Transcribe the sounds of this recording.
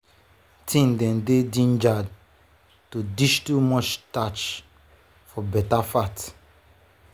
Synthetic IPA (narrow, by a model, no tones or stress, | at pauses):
tʰĩndɛ̃ndedĩnd͡ʒad̚ | tudiʃtumɔt͡ʃtat͡ʃ | fɔbɛtafat